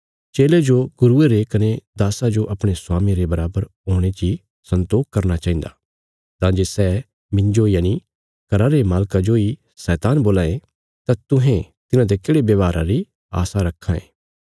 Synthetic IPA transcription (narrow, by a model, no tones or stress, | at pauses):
t͡ʃeːled͡ʒoɡʊɾueɾekɐned̪aːsad͡ʒoʔɐpɽ̃esʊaːmĩɾebɐɾaːbəɾ | oːɽ̃et͡ʃi | sɐ̃nt̪oːk̚kɐɾnat͡ʃaːĩn̆d̪aː | t̪ãːd͡ʒesɛː | mɪ̃ɲd͡ʒoijani | kɐɾaɾemaːlkad͡ʒoi | sɛːt̪aːnboːlaːẽ | t̪at̪ʊɦẽ | t̪ɪnãd̪ekeːɽebjɐːʋaːɾʔãɾi | a̰ːsaɾɐkʰːãḛ̃ː